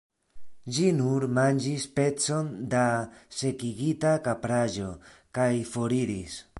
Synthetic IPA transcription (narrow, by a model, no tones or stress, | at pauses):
d͡ʒinuɾmand͡ʒispe̞t͡so̞nd̪ase̞kiɡit̪akapɾaʒo̞kajfo̞ɾiɾis